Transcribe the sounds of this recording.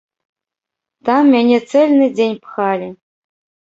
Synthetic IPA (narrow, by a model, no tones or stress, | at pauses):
t̪ɑmːʲænʲesɛlʲnɨdʲenʲpxɑlʲɪ